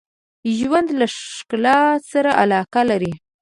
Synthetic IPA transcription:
ʒwand̪laʂklɑsaɾaʔalɑkalaɾi

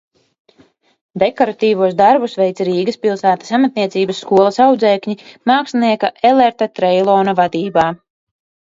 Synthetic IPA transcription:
d̪ekɔɾat̪iːvuɔsd̪aɾbusvɛjt̪sɾiːɡɐspilˠsæːt̪ḁsamat̪̚niɛt̪siːbəsːkuɔlˠɐsawd̪zɛːkɲimaːksniɛkaɛleɾt̪at̪ɾɛjlˠɔːnavad̪iːbaː

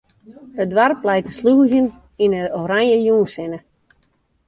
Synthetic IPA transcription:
ədwarplɛjtəsluəɣjən | inəoɾanjəjuːnsɪnə

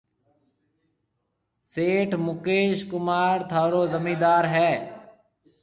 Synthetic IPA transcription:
seːʈʰmʊkeːʃkʊmaːɾt̪ʰaːɾoːzəmiːd̪aːɾɦɛː

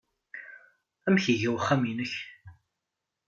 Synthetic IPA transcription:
æmçiʝæwχːæminəç

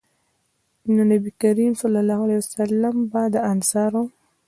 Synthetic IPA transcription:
nonabikaɾimsɑlːɑlːɑhʊalajwasalːambad̪əansɑɾo

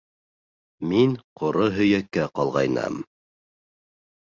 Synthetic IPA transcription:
minqʰŏɾoɦɵ̆jækːæqɑlˠʁɑ̰jnɑ̰m

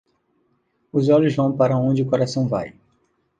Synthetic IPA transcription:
ʊzɔʎʊzvɐ̃w̃paɾɐõd͡ʒɪʊkoɾasɐ̃w̃va̰j

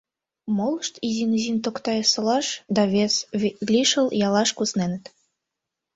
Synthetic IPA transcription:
moləʃt̪izʲinzint̪okt̪ɑjɤsɤ̆lɑʃd̪ɑβeslʲiʃə̆ljɑlɑʃkusnenə̆t̪

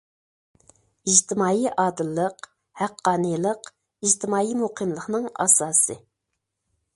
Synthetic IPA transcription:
iʒd͡ʒt̪ʰɪmɑːiʔɑːd̪ɨlˠːəq | hæqːɑːnɨjlˠəq | iʒt̪ʰɪmɑːimuqʰɨmlˠəχnɨŋɑ̰sɑːsɨ

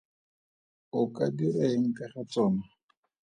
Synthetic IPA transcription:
ʊkʼadiraeŋ̩kʼaχat͡sɔːma

